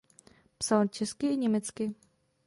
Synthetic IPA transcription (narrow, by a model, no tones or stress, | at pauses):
psalt͡ʃɛskɪɪɲɛmɛt͡skɪ